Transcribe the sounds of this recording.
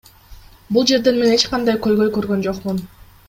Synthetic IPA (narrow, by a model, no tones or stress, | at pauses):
bulˠd͡ʒe̞ɾd̪e̞nme̞net͡ʃqʰɑnd̪ɑjkø̞lɡø̞jkøɾɡø̞nd͡ʒoqmun